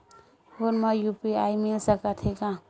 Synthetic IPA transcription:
honmʌjupiajmilsəkat̪ʰekã

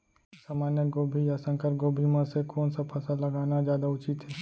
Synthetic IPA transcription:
saːmaːnjəɡoːbʱijasə̃ŋkəɾɡoːbʱimãsekoːnsapʰɐsalɐɡaːnad͡ʒjaːd̪aʊt͡ʃit̪ɦɛː

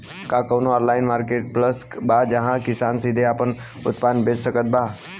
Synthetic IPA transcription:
kaːkəʋnoɔːɾlaːɪnmaːɾkeːʈ̚pləs | bad͡ʒəɦãkɪsaːnsid̪ʱeaːpən | ʊ̰t̪paːnbessəkət̪̚bʱaː

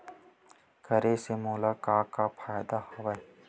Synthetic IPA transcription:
kəɾesemoːlakaːkapʰaːjd̪ahɐʋae

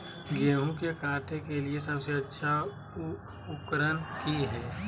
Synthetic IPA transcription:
ɡeːɦũkekaːʈʰẽkeliesɐbseɐtːʃʰa | ʊkɾənkiɦɛː

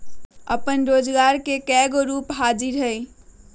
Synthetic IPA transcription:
əpənɾoːd͡ʒɡaɾkekɛɡoɾupɦad͡ʒiɾɦəj

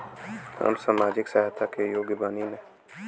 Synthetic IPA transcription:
ə̰msaːmaːd͡ʒɪksaɦat̪ʰakejoːɡɪbaːnimẽː

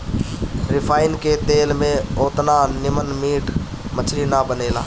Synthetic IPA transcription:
ɾɪpʰaːɪnket̪eːlmẽoːt̪nanɪmənmiːʈʰ | mət͡ʃʰɾinabəneːla̰ː

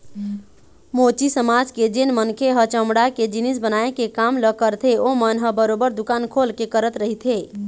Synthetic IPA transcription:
mot͡ʃisəmad͡ʒked͡ʒenmənkʰeɦət͡ʃəmɽaked͡ʒinis̬bənaekekamləkəɾt̪ʰeomənɦəbəɾobəɾd̪ukankʰolkekəɾət̪ɾəɦit̪ʰe

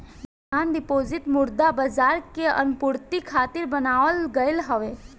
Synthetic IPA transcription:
b | ɦaːnɖɪpoːzɪt̪mʊɾd̪abəd͡ʒaːɾkeə̰npʊɾt̪ikʰaːt̪ɪɾbənaːʋəlɡəɪlɦəʋeː

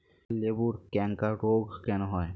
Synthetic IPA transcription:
lebuɾkɛŋkaɾoɡkɛnɔɦɔj

